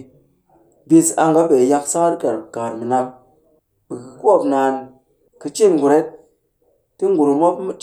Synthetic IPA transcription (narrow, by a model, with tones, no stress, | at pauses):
bi˧sa̰˧ŋɡa˨˦be˨ja˧ksa˦ka˦ɾke˨ɾ̚ka˨ɾmi˨na˧p̚ | ɓɨ˨kɨ˨ko˦˨pnaː˨n | kɨ˧t͡ʃi˦˨nɡu˨ɾe˦t̚ː | i˦ŋɡu˨ɾu˨mo˦pmi˦t͡ʃ